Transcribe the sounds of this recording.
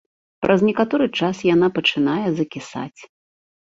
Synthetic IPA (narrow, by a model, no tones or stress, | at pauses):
pɾʔɐznʲɛkat̪ɔɾɨt͡ʂasjan̪apɐt͡ʂɨnajɛzɐkʲisa̰t͡sʲ